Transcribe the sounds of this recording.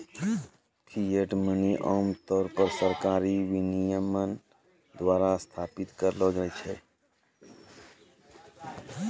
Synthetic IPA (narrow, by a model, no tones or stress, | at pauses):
kʰijeʈməniʔɔːmt̪ɔːɾpəɾsəɾkaːɾiʋɪnijəmən | d̪waːɾast̪ʰaːpɪt̪kəɾloːd͡ʒət͡ʃʰeː